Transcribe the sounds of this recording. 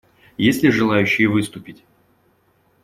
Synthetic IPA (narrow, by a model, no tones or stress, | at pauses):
jesʲlʲɪʐɨlˠajʉɕːɪjəvɨst̪ʊpʲɪtʲ